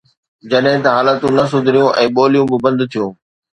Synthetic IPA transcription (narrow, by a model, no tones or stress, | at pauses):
d͡ʑɐɗɦɪ̃t̪ɐɦaːlət̪ũnɐs̬ʊd̪ʱɪɾijũʔɛ̃ːɓoːlijũbɪbɐ̃nd̪t̪ʰijũː